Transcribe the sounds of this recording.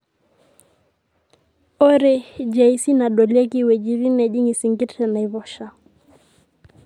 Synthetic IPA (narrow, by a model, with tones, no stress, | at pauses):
ɔ˦ɾɛ˦d͡ʒɛ˨i˦si˦na˨ɗɔ˨lɛ˦ki˦wɛ˨d͡ʒi˨˦βi˦nɛ˨ʄi˦ŋi˨si˨ŋɡi˦tɛ˨na˨i˨βɔ˦ʃa˨